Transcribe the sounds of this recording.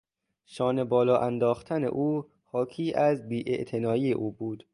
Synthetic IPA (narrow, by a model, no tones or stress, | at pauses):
ʃɒːne̞bɒːlɒːʔænd̪ɒːxt̪ʰænḛʔuː | xɒːkʰiːʔæzbiːʔḛʔt̪ʰe̞nɒːiːeʔuːbuːd̪̥